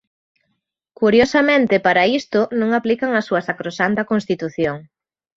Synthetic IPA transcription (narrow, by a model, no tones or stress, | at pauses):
kuɾjosamẽnt̪ɪpaɾɐist̪ʊnõŋaplikɐŋɐsːuɐsakɾosant̪ɐkonst̪it̪uθjoŋ